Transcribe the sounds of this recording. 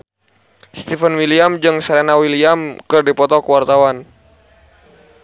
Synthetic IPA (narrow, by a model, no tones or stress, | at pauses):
st̪ifənwiliamd͡ʒɨŋsaɾenawiliamkɨrdipɔt̪ɔkəwart̪awan